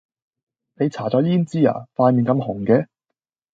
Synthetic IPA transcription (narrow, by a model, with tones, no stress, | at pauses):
ne˨˧jt͡sʰaː˨˩t͡sɔː˨˥jiː˥nt͡siː˥a̰ː˨faː˧jmiː˨˩nkɐ˧mhʊ˨˩ŋkɛː˨˧